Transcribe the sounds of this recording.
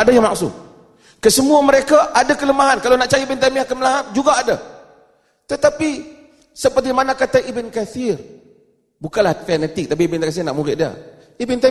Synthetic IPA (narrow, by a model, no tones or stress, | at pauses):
adajaŋmaksʊ̰t̪̚ | kəsəmuaməɾekaʔadakələmaɦankalonaʔt͡ʃaɾiibɪnt̪amiakəməlaɦat̪̚d͡ʒuɡaːda | t̪ət̪api | səpərt̪imanakat̪aŋʔibənkaθɪr | bukanlaht̪ɛnɛt̪ɪk̚t̪ap̬iibənkasɪrnaʔmuɾɪʔdia̰ | ibɪnt̪